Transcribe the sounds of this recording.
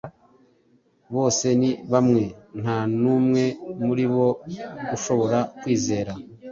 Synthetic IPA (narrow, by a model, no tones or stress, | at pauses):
βo̞ːse̞niβamŋe̞n̥hanuːmŋe̞muɾiβo̞ɡuʃo̞βo̞ɾakwiːze̞ːɾa